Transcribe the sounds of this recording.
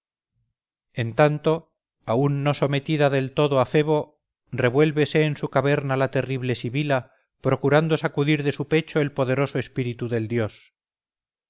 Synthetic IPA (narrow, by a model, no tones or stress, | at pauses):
e̞nt̪ant̪o̞ | aunːo̞so̞me̞t̪iðaðe̞lt̪o̞ðoafe̞β̞o̞ | re̞βwe̞lβe̞se̞ːnsukaβe̞ɾnalat̪e̞riβle̞siβila | pɾo̞kuɾand̪osakuðiɾðe̞supe̞t͡ʃoelpo̞ðe̞ɾo̞soespiɾit̪uðe̞ld̪jo̞s